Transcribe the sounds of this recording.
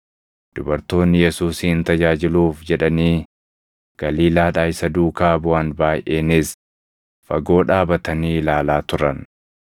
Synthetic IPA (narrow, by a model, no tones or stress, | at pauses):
d̪̥ʊbɐɾt̪o̞ːnːɪjɛsuːsiːɪnt̪ɐd͡ʒaːd͡ʒɪluːfd͡ʒɛᶑɐniː | ɡ̥ɐliːlaːᶑaːjsɐd̪uːkaːbʊaːnbaːjʔeːnɪs | fɐɡo̞ːᶑaːbɐt̪ɐniːlaːlaːt̪ʊɾɐn